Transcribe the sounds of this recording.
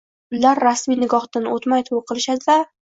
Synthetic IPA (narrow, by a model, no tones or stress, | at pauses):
ʊlːaɾːasminɪɡɒχt̪anot̪majt̪ʰoqʰɨlˠɪʃad̪ɪd̪a